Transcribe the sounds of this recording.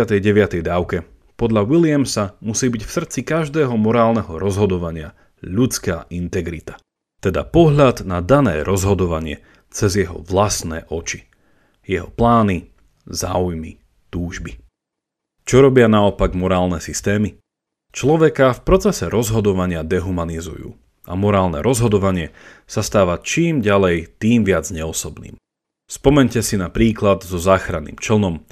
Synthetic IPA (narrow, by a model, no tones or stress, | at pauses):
at̪ɛjɟɛʋɪat̪ɛjd̪aːʊkɛ | pɔd̪ʎawilɪamsamusiːbicfsr̩t͡sikaʒd̪ɛːɦɔmɔɾaːlˠnɛɦɔɾɔzɦɔd̪ɔʋaɲɪa | ʎut͡skaːʔint̪ɛɡɾḭt̪ḁ | t̪ɛd̪a̰pɔɦʎad̪nad̪anɛ̰ːɾɔzɦɔd̪ɔʋaɲɪɛ̰ | t͡sɛzjɛɦɔ̰ʋlasnɛ̰ːʔɔt͡ʃi̥ | jɛɦɔ̰plaːni | za̰ːujmi | t̪uːʒbi | t͡ʃɔɾɔbɪanaɔpaɡmɔɾaːlˠnɛsist̪ɛːmi | t͡ʃlɔʋɛkafpɾɔt͡sɛsɛɾɔzɦɔd̪ɔʋaɲɪad̪ɛɦumanizṵjṵː | ʔa̰mɔɾaːlnɛ̰ɾɔzɦɔd̪ɔʋaɲɪɛ | sast̪aːʋat͡ʃiːmɟalɛjt̪iːmʋɪad͡zɲɛɔsɔbnḭːm | spɔmɛɲcɛsinapɾiːklad̪zɔzaːxɾanḭːmt͡ʃl̩nɔm